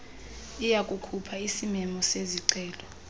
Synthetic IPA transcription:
ijakʼukʰupʰaisimɛmɔseziǀɛːlɔ

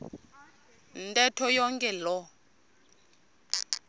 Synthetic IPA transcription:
n̩tʼɛtʰɔjɔŋkʼɛlɔ

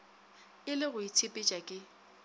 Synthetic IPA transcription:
ɪlɪɣʊit͡sʰepʼɪt͡ʃʼakʼɪ

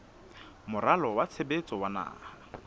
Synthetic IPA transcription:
mʊralɔwat͡sʰebet͡sʼɔwana̰ːa

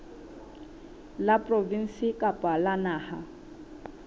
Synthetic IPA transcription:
lapʼrovin̩sikʼapʼalanaːha

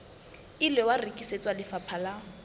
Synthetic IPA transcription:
ilwɛwarikʼiset͡sʼwalɪfapʰala

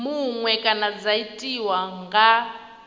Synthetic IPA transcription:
muŋwɛkʼanad͡zaitʼiwaŋɡa

